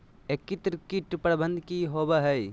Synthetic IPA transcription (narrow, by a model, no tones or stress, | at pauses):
ekːit̪ɾkiʈpɾəbə̃nd̪ʱkiɦobəɦəj